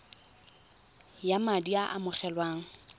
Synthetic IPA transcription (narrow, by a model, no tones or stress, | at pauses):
jamadiaʔamʊχɛlwaːŋ̩